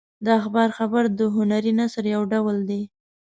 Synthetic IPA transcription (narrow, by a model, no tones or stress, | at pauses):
d̪əaxbɑɾxabaɾd̪əɦʊnaɾinasəɾjawɖawəld̪e